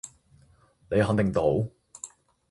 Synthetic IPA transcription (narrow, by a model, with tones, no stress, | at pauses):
ne˨˧jɦɐ˨˥ŋt̪ɪ˨˩ŋt̪o˨˥w